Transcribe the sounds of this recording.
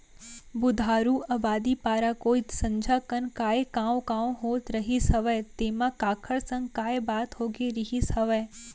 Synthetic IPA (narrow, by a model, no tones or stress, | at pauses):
bʊd̪ʱaːɾuːaːbaːd̪ipaːɾakoːit̪sɐ̃ɲd͡ʒʱakənkaːekãːõkãːõɦoːt̪ɾɐɦisɦɐʋət̪eːmãkaːkʰəɽsə̃ŋɡkaːebaːt̪ɦoːɡeɾiɦishɐʋəj